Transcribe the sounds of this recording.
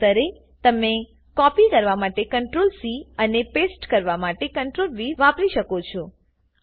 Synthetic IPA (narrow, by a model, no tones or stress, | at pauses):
əɾe | t̪əme | kɔpikəɾʋamaʈekəɳʈɾolsiənepesʈkəɾʋamaʈekəɳʈɾolʋiʋapɾiʃəkot͡ʃʰɔ